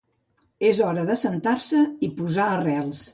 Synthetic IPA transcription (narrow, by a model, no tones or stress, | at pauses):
ezɔɾəðəsənt̪aɾsəipuzaərɛlˠs